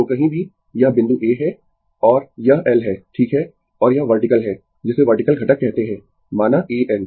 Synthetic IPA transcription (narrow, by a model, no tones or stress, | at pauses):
okɐɦĩbʱi | jɐɦbɪ̃nd̪uʔeːɦɛ | ɔːɾjɐɛlɦɛːʈʰiːkɦɛ | ɔːɾjɐʋɐɾʈɪkəlɦɛː | d͡ʒɪseʋɐɾʈɪkəlɡʱɐʈəkːɛɦt̪eɦɛ̃ː | maːnaʔeːʔɛl